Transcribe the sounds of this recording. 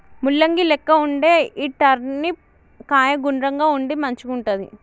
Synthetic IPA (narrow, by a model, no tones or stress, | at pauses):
mulːɐŋɡilɛkːɐuɳɖeːiːʈɐɾni | kaːjɐɡuɳɾɐŋɡaːuɳɖimɐɲt͡ʃukuɳʈɐd̪ḭ